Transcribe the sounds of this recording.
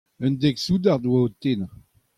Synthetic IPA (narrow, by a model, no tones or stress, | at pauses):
œnd̪ɛksud̪aʁd̪waot̪en